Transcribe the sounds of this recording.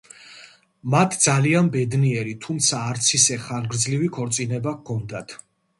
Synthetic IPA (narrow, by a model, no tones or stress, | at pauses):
mat̪ʰd̪zalianbɛd̪niɛɾit̪ʰumt̪sʰaːɾt̪sʰisɛχaɾɡɾd̪zlivikʰɔɾt̪sʼinɛbakʰɔnd̪at̪ʰ